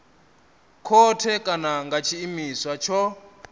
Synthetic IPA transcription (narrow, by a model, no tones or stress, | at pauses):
kʰɔtʰɛkʼanaŋɡʱat͡ʃʰiːmiswat͡ʃʰɔ